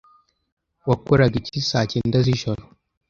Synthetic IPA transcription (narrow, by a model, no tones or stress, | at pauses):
wakuɾaɡicisacindaziʃoɾo